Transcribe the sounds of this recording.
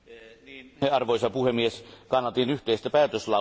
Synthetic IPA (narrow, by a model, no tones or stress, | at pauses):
eʔɑrʋoisɑpuhemːieskɑnːɑt̪inyht̪eist̪æpæːt̪øslɑ